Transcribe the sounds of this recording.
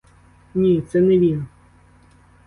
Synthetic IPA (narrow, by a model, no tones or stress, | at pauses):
nʲit̪sɛnɛʋʲinɐ